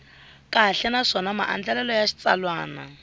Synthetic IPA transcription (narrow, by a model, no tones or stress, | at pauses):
kʼaɦɬɛnaʂɔnamaʔa̰nd͡ɮɛlɛlɔjaʃi̥t͡salwaːna̰